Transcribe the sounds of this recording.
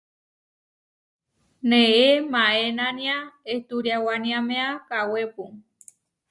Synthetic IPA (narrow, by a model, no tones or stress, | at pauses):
nẽemãenãnĩãet̪uɾjawanĩãmẽakawepu